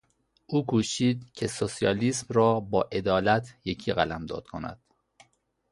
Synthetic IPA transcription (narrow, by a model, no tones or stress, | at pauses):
ʔuːkʰuːʃiːd̪̚cʰe̞sosijɒːliːsmrɒːbɒːʔe̞d̪ɒːlæt̪ʰjecʰiːɣælæmd̪ɒ̰ːd̪̥̚kʰo̞næ̰d̪̥